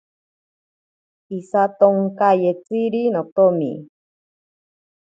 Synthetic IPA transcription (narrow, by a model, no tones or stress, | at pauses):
isat̪oŋkajet͡siɾinot̪omḭ